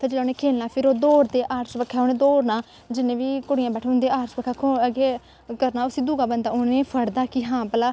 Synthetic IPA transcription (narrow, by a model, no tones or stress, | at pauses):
t̪ãːd͡ʒeːlːoːneːkʰeːlnaːpʰɪɾoːd̪oːɾd̪eːʔaːɾsʋəkʰːɛːoːnẽːd̪oːɾnaː | d͡ʒɪnẽːʋiːkʊɽɪjãːbɛːʈʰːɦʊ̃nd̪eːaːɾsbəkʰːaːkʰoəɡeː | kəɾnaːʊsiːd̪uːɡaːbənd̪aːʊnẽːpʰəɽd̪aːkɪɦãːpəlaː